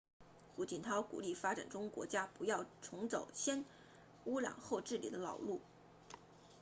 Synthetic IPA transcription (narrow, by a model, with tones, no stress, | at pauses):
xu˧˥t͡ɕi˨˩nt̪ʰɑ˥ʊkṵ˨˩li˥˩fa˥ʈ͡ʂa̰˨˩nʈ͡ʂʊ˥ŋkwɔ̰˧˥t͡ɕja˥pu˧˥jɑ˥˩ʊʈ͡ʂʰʊ˧˥ŋt͡so˨˩ʊɕjɛ˥n | u˥ljɑ̰˨˩ŋxo˥˧ʊʈ͡ʂɻ̩˥˩li˨˩d̪ə˦lɑ˨˩ʊlu˥˩